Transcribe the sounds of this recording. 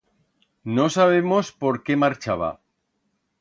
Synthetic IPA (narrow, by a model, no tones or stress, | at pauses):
no̞saβ̞emo̞spo̞ɾkemaɾt͡ʃaβ̞a̰